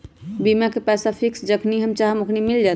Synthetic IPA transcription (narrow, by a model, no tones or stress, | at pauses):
bimakepɛsapʰiksd͡ʒəkʰniɦəmt͡ʃaɦmokʰnimild͡ʒat̪